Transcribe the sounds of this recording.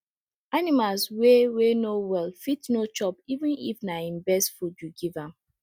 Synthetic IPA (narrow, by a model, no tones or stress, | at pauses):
animalswewenowɛlfitnot͡ʃɔpivɪ̃nḭfnaĩmbɛsfudjuɡivãm